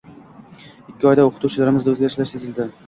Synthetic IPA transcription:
ɪkʲːɪɒjd̪aoqʰʊ̥t̪ʰuwt͡ʃʰɪlaɾɪmɪzd̪aɵzɡʲaɾɪʃlaʃsezɪld̪ɪ

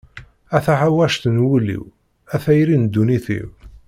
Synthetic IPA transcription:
æθaʕawæʃt̪nwulḭw | æθæjɾind̪ːuniθḭw

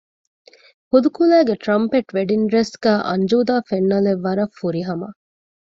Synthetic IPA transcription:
hud̪ukulæːɡeʈɾɐmpeʈʋeɖiɳɖɾesɡ̥æːʔɐ̰ɲd͡ʒuːd̪aːfenːɐleʋːɐɾɐfuɾiɦɐmɐ

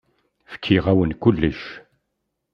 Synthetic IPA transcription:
fə̥kʰːiʁæwənkulːəʃ

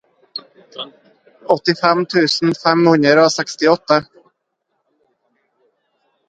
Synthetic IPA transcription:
ɔt̪ːɪfɛmːt̪ʰʉ̟ːsənfɛmmɵnəɾasɛkst̪ɪɔt̪ːa

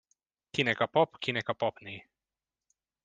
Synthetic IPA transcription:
kinɛkapɔpkʲinɛkapɔpni

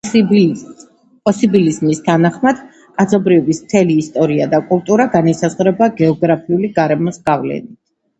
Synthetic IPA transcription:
pʼɔsibilizmist̪ʰanaχmad̪̥ | kʼazɔbɾiɔbismt̪ʰɛliːst̪ʼɔɾiad̪akʼult̪ʼuɾaɡanisazʁɾɛbaɡɛɔɡɾapʰiuliɡaɾɛmɔsɡavlɛ̰nit̪ʰ

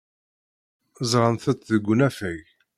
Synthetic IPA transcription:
zʁənθæt͡sːðəɡʷːʊnæfæj

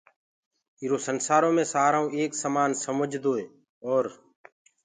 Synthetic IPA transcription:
iːɾoːsənsaːɾõːmẽːsaːɾãːũːeːksəmaːnsəməd͡ʒʱd̪oːeː | ɔːɾ

